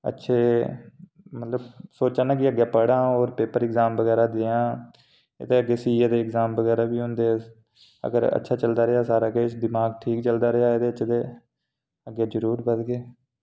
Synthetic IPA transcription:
ə̰tːʃʰeː | mət̪ləbsoːt͡ʃãːnaːkɪəɡːjaːpəɽãːoːɾpeːpəɾɪkzaːmbəɡɛːɾaːd̪eãː | ḛt̪eːəɡːeːsiːeːd̪eːɪkzaːmbəɡɛːɾaːbiːɦʊ̃nd̪eː | ə̰ɡə̰ɾə̰tːʃʰaːt͡ʃəld̪aːɾɪaːsaːɾaːked̪ɪmaːɡʈʰiːk̚t͡ʃəld̪aːɾɪaːeːd̪eːət͡ʃʰd̪eː | əɡaːd͡ʒəɾuːɾbəd̪ɡeː

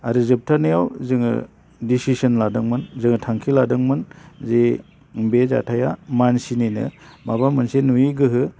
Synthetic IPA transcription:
aɾɯzɯp̚tʰanɯjawzɯŋɯ̰ | disisɯnladɯŋmɯnzɯŋɯtʰaŋkʰiladɯŋmɯnze | beza̰tʰajamansininɯ̰maβamɯnsenujiɡɯɦɯ

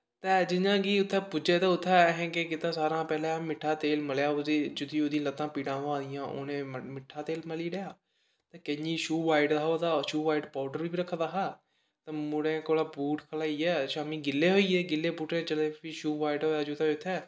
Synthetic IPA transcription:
t̪ɛːd͡ʒɪnãːɡiːʊt̪ʰːɛ̃ːpʊd͡ʒeːt̪aːʊt̪ʰːɛːɦɛ̃ːkekɪt̪ãːsaːɾãːpɛːlãmɪʈʰːaːt̪eːlməljaːoiːd͡ʒʊd̪ĩːoːd̪ĩlət̪ːãːpiːɽãːɦãːd̪ɪjãːʔo̰ːnẽːmɪʈʰːaːt̪eːlməliːɽejaː | t̪ɛ̃ːkəd͡ʒiːʃuːʋaːiɖd̪aːoːd̪aːʃuːʋaːiɖpaːʊɖəɾbiːɾəkʰːd̪aːɦaː | t̪ɛ̃ːmʊɽẽːkoːlaːbuːʈkʰəlaːiːɛːʃaːmiːɡɪlːeːɦoːiːɛːɡɪlːeːpuːʈẽːt͡ʃəlẽːpiʃuːʋaːiɖoːaːd͡ʒot̪ãːʊt̪ʰːɛː

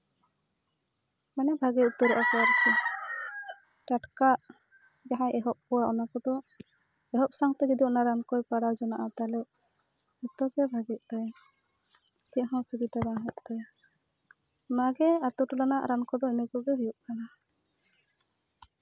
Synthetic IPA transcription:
manɛbʱaɡɛʔ̪ut̪ɔɾɔʔakɔaɾt̪ɛ | ʈaʈkaʔ | d͡ʒaɦãʔɛɦɔp̚kɔwaʔɔnakɔd̪ɔ | ɛɦɔp̚saŋt̪ɛd͡ʒid̪iɔnaɾankɔjpaɽawd͡ʒɔnaʔat̪alɛʔ | ɔt̪ɔɡɛbʱaɡɛʔ̪̚t̪aj | t̪ɛʔɦɔ̃subid̪aɾaɦɛʔ̪̚t̪aj | maɡɛat̪uʈɔlanaʔɾankɔd̪ɔinɛkɔɡɛɦujuʔ̚kana

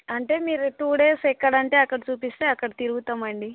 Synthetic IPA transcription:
ɐɳʈe̞ːmiːɾt̪uːɽe̞ːsɛkːɐɽɐɳʈe̞ːɐkːɐɽɐt͡ʃuːpist̪e̞ːɐkːɐɽɐt̪iɾuɡut̪aːmɐɳɖi

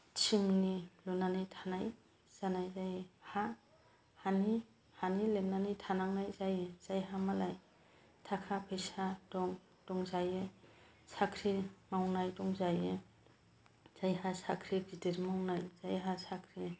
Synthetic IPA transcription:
t͡ʃʰiŋnilunanajtʰanaj | z̥anajzajeha | hani | hanilenanitʰanaŋnajzajez̥ajɦamalaj | tʰakʰapʰɯjsadɔŋ | d̥ɔŋzaje | sakʰɾimawnajdɔŋzaje | z̥ajɦasakʰɾiɡɾideɾmawnajzajɦasakʰɾi

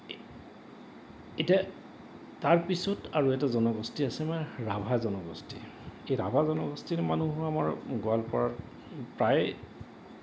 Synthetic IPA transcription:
eta | taɹpisɔtaɹuɛtazɔnɔɡɔstiasɛmɛɹabʱazɔnɔɡɔ̰stḭ | ejɹa̰bʱazɔnɔɡɔstimanuɦuamaɹɡoalpɔɹa | pɹaj

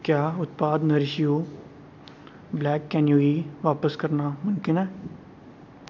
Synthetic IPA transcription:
kjaːʊt̪̚paːd̪nəɾɪʃijoː | blɛːkːɛːnjuːiːʋaːpəskəɾnaːmʊnkɪnɛː

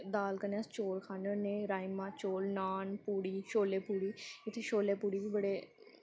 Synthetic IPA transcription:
d̪aːlkənaːst͡ʃoːlkʰaːnənẽːɾaːimãːt͡ʃoːlnaːnpuːɽiːʃoːleːpuːɽiːɪt̪ʰːeːʃoːleːpuːɽiːbiːbəɽeː

